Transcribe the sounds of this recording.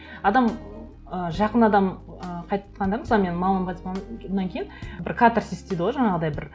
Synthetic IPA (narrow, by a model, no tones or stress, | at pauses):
ɑd̪ɑm | əʒɑqənɑd̪ɑm | əqʰɑjt̪qɑnd̪ɑɾzˠɑme̞nmɑmɑmpʰɑt̪mɑnɑŋkʲʰe̞jɪnbɪɾkʰat̪rsest̪ejd̪ɪʁoʒɑɴɑʁəd̪ɑjbɪɾ